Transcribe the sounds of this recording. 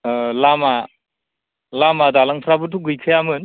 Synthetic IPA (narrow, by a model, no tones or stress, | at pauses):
lama | lamadalaŋpʰɾabɯtʰuɡɯjkʰɯjamɯn